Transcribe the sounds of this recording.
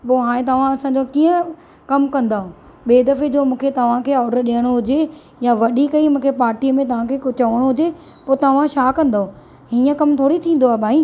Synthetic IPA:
poːɦaːɽ̃ẽt̪ɐʋ̤ãɐsãːɲd͡ʑokiːə̃ | kɐmkɐ̃nd̪aːɦũː | ɓeːd̪ɐfed͡ʑoːmũːkʰet̪ɐʋ̤ãkʰeːɔːɖəɾɗijəɽ̃oɦʊd͡ʑe | jaʋɐɗikɐimũːkʰepaːɾʈiːəmẽt̪ɐʋ̤ãkʰeːʊt͡ɕɐʋəɽ̃oɦʊd͡ʑe | poːt̪ɐʋ̤ãʃaːkɐ̃nd̪aːɦũ | ɦiːə̃kɐmt̪ʰoːɽit̪ʰĩːn̆d̪oaːɦebʱaːĩ

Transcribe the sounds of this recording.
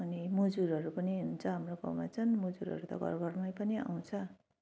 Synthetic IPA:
ʌnimud͡zuɾʌɾupʌniɦunt͡sʰʌɦamrokʌ̰ma̰t͡sʰʌnmud͡zuɾɦʌ̰ɾut̪ʌ̰ɡʱʌ̰rɡʱʌrmajpʌnia̰w̃t͡sʰʌ

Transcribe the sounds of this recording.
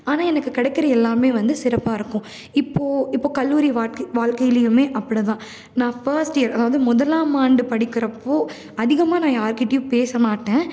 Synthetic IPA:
aːnaːɛnɐkːɯkɪɽɛɪkːɪɾɐɛlːaːmeːʋɐnd̪ɯsɪɾɐpːaːɪɾɯkːʊ̃ | ɪpːoːɪpːoːkɐlːuːɾiʋaːkʋaːɭkɐjɪlɪjɯmeːʔɐpːɐɽɯt̪ãː | nãːfɐɾsʈɪjɐɾɐðaːʋɐðɯmʊðɐlaːmaːɳɖɯpɐɽɪkːɪɾɐpːoː | ɐðɪɣɐmaːnãːjaːɾkɪʈːjupeːsɐmaːʈːẽː

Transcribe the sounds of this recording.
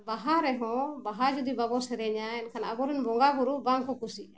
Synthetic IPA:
baɦaɾɛɦɔ̃baɦad͡ʒud̪ibabɔsɛɾɛɲaɛnkʰanaɡɔɾinbɔŋɡaɡuɾubaŋkɔkusiʔa

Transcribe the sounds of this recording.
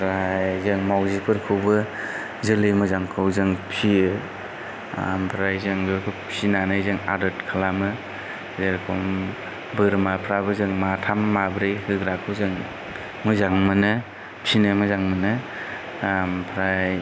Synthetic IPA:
pʰɾajzɯŋmawzipʰɯɾkʰɯwbɯ | zɯlɯjmɯzaŋkʰɯwzɯŋpʰiɯ | a̰mpʰɾajzɯŋzɯɾkʰɔpʰinanɯjzɯŋa̰dɯtkʰalamɯ | zɯɾkʰɔm | bɯɾmapʰɾabɯzɯŋmatʰamːabɾɯjhɯɡɾakʰɯwzɯŋ | mɯzaŋmɯnɯ | pʰinɯmɯzaŋmɯnɯ | mpʰɾaj

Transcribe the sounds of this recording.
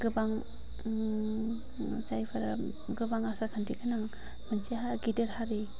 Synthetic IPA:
ɡɯbaŋ | t͡ʃajpʰaɾa | ɡɯbaŋasakʰantʰikʰanaŋ | mant͡ʃiɦaɡideɾhaɾi

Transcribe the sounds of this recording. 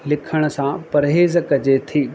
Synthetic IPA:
lɪkʰəɽ̃ə̆sãpɐɾɦeːzkɐd͡ʑet̪ʰiː

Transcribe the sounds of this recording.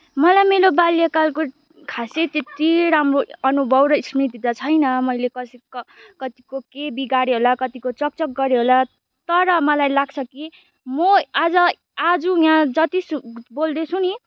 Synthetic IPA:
mʌlajmelobaljakalko | kʰaset̪et̪iɾamroʌnubʱʌbɾʌisrit̪id̪at͡sʰʌjnʌmʌjlekʌsikʌkʌt̪i̥kokebiɡaɾeɦolakʌt̪ikot͡sʌk̚t͡sʌk̚ɡʌɾeɦola | t̪ʌɾʌmʌlajlaɡt͡sʰʌki | mʌad͡zʌ | ad͡zujãd͡zʌt̪isbold̪et͡sʰuni

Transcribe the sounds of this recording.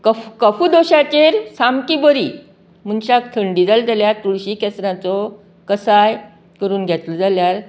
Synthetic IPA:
kəfkəfud̪oɕat͡ɕeɾsamkibəɾi | munɕakt̪ʰəɳɖid͡zalt̪aljaɾt̪uɭɕikɛsɾãt͡sɔ | kəsaj | kəɾuːnɡʱjɛt̪lɔd͡zaljaɾ

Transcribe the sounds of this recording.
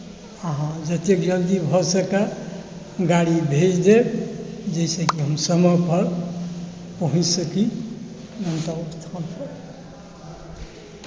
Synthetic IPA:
əɦãd͡ʒət̪jekd͡ʒənd̪ibʱɔsəka | ɡaɽibʱed͡ʒd̪ebd͡ʒejsə̃kiɦəmsəməpʰəɾ | pəɦũt͡ʃsəki | nənt̪ast̪ʰanpʰəɾ

